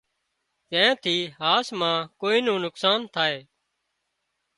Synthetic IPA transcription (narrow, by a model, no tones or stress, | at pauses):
kẽɛ̃ːt̪ʰiːɦaːsmãːkoːiːnũːnʊksaːnt̪ʰaːɦeː